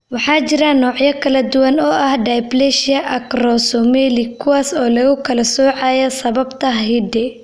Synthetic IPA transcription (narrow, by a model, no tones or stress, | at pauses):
wɑħɑːt͡ʃɪɾɐnɔːʕjɐkʰɐlɐd̪ʊwɐnɔːʔɐhɖajblɛʃɪɐʔɐkrɔsɔmɛːlɪkʰʊwaːsɔːlɐɣʊkʰɐlɐsɔːʕɑːjɐsɐβɐbt̪ʰɐɦɦɪd̪ɛ